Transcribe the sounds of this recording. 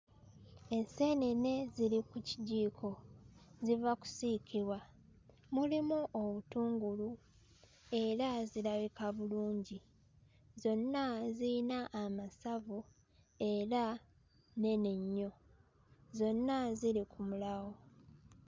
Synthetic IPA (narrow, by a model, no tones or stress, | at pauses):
e̞senene̞zilikuciɟiːkʰo̞zivaku̥sikʰiβwa | mulimuʔoβutuːŋɡulu | e̞ɾazilaβikaβuluːɲɟi | zo̞nːazinaʔːmasavu | e̞ɾa | ne̞neɲːo̞ | zo̞nːaziɾikʰumulaɣo̞